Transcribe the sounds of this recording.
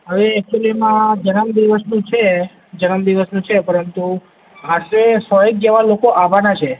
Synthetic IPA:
ɦəʋeɛk̚t͡ʃulimãd͡ʒənəmd̪iʋəsnũt͡ʃʰe | d͡ʒənəmd̪iʋəsnũt͡ʃʰepəɾənt̪u | aʃesɔɦek̚ɡɛʋalokoʔaʋanat͡ʃʰe

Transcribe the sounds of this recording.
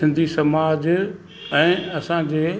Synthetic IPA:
ɪ̃nd̪ʱisɐmaːd͡ʑ | ɛ̃ːɐsãd͡ʑeː

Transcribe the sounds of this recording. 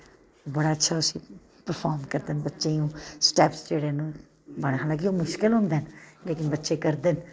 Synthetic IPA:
bəɽaːətːʃʰaːʊsĩː | pəɾpʰɔːɾmkəɾd̪ənbətːʃeũːsʈɛːpsd͡ʒeːɽeːnũː | bəɽ̃ɦaːlãːk̬ioːmʊʃkɪlɦʊ̃nd̪eːnleːkɪnbətːʃeːkəɾd̪ɪn

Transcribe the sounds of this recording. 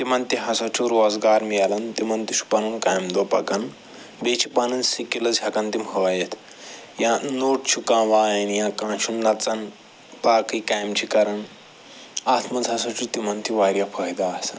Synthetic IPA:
t̪imɐnt̪iɦɐsɐt͡ʃʰuɾoːzɡaːɾmijalɐnt̪imɐnt̪iʃu̥pɐnunkaːjmd̪opɐ̰kɐn | bet͡ʃʰi̥panɐnsikilɐzʱʲɦɐkɐnt̪imɦojet̪ʰ | jãnoːʈ̚t͡ʃʰukãːʋaːjɐnjãkãːʃunlɐt͡sɐn | paːkɨjkajmt͡ʃʰikɐɾɐn | aːt̪ʰmɐzɦɐsɐt͡ʃʰut̪imɐnt̪ʰiʋaːɾjapʰɐjd̪aːsɐn

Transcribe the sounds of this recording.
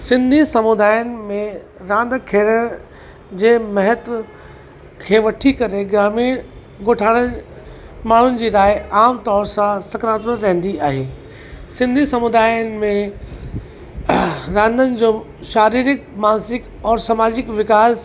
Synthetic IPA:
sɪ̃nd̪ʱisɐmʊd̪aːjənɪ̆mẽ | ɾãːnd̪ʱkʰeːɽəɽ̃ | d͡ʑeːmɐɦət̪ | kʰeːʋɐʈʰikɐɾeɡɾaːmiːɽ | ɡoːʈʰaːɽ̃ə | maːɳ̤ʊnɪ̆d͡ʑiːɾaːɪaːmt̪ɔːɾsãsɐkɾãːt̪əɾɛ̃ɦn̆d̪iaːɦeː | sɪ̃nd̪ʱisɐmʊd̪aːjənɪ̆mẽ | ɾãːnd̪ʱənɪ̆d͡ʑoː | ʃaːɾiːɾɪkmaːnsɪk | ɔːɾsɐmaːd͡ʑɪkʋɪkaːz

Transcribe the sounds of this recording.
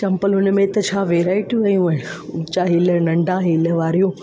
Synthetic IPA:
t͡ɕɐ̃mpəlɦʊnmẽt̪ɐt͡ɕʰaːʋeːɾaːɪʈuʋɐjũɐɦɪñʊt͡ɕaɦiːlənɐ̃ɳɖʱãɦiːləʋaːɾijũː

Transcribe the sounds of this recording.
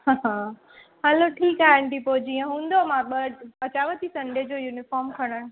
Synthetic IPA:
ɦãːɦãː | ɦɐloʈʰiːkaːɦɪnʈ̪ipod͡ʑiːə̃ɦũːn̆d̪omãɓəɐt͡ɕaːʋət̪isɐ̃ɳɖed͡ʑoːjuːnɪfɔːɾmkʰɐɽ̃əɽ̃

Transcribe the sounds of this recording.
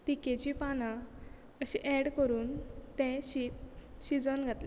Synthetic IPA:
t̪iket͡ɕipanã | əɕĩʔɛɽkəɾuːnt̪ɛ̃ɕit̪ɕid͡zənɡʱat̪le

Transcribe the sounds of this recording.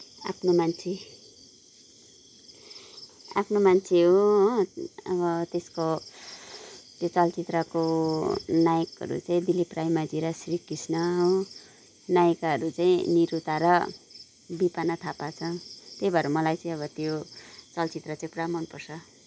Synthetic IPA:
a̰pʰnomant͡sʰe | apʰnomant͡sʰeɦo | ʌbʌt̪esko | t̪jot͡sʌlt͡sit̪rʌko | najkɦʌ̰ɾṵt͡saĩd̪iliprajmad͡ziɾʌsrikisnʌɦo | najkɦʌɾut͡saĩniɾut̪aɾʌ | bipanʌt̪ʰapat͡sʰʌt̪ejbʌɾʌmʌlajt͡saĩʌβʌt̪jot͡sʌlt͡sit̪rʌt͡saĩpramʌnpʌrsʰʌ

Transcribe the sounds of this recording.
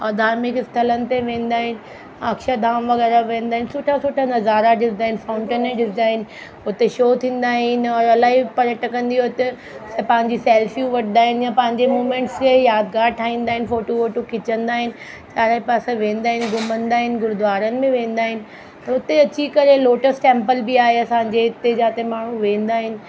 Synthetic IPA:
ɔːd̪ʱaːɾmɪkɪst̪ʰələnɪ̆t̪eʋẽːnd̪aːɦɪnɪ̆ | ɐkʃad̪ʱaːmʋɐɣɛːɾaʋẽːnd̪aːɦɪnɪsʊʈʰasʊʈʰanɐzaːɾaɖɪɾd̪aːɦɪnɪfãːʊ̃ɳʈənẽɖɪɾd̪aːɦɪnɪ̆ | ʊt̪eʃoːt̪ʰĩːnd̪aːɦɪnɪ̆ɔːɾɐlaːɦipɐɾjəʈʰəkɐ̃nd̪iɦot̪e | spɐ̃ɦɪ̃ɲd͡ʑisɛːlfijuʋɐʈʰə̃d̪aːɦɪnɪjãpɐ̃ɦɪ̃ɲd͡ʑemuːmẽːɳʈskʰejaːd̪̚ɡaːɾʈʰaːɦĩːn̆d̪aːɦɪnɪfoːʈofoːʈokʰɪt͡ɕə̃nd̪aːɦɪnɪ̆ | t͡ɕaːɾaːipaːsãʋẽːn̆d̪aːɦɪnɪ̆ɡʊmə̃nd̪aːɦɪnɪ̆ɡʊɾʊd̪ʊʋaːɾənɪ̆mẽʋẽːn̆d̪aːɦɪnɪ̆ | t̪ɐʊt̪eɐt͡ɕikɐɾeloːʈəsʈẽːmpəlbiaːɦeɐsãːɲd͡ʑeɪt̪ed͡ʑãːt̪emaːɳ̤ũʋẽːnd̪aːɦɪnɪ̆

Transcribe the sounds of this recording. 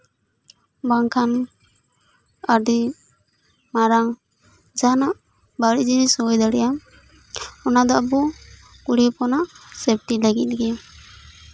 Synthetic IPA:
baŋkʰan | aɾd̪i | maɾaŋ | d͡ʒanaʔ | baiʔd͡ʒinisɔjd̪aɽɛja | ɔnad̪ɔabɔ | kuɽipɔnaʔsɛp̚ʈilaɡit̪̚ˀɡɛ

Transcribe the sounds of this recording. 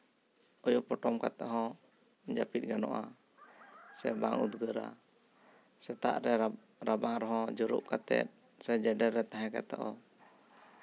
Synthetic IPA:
ɔjɔpɔʈɔmkat̪ɛʔɦɔ̃ | d͡ʒapit̪̚ɡanɔ̰ʔa | sɛbaŋud̪ɡəɾa̰ | sɛt̪a̰ʔɾɛ | ɾabaŋɾɔɦɔ̃d͡ʒɔɾṵʔkat̪ɛ̰t̪̚ | sɛd͡ʒɛɖɛɾːɛt̪aɦɛ̃kɛt̪ɔʔɔ

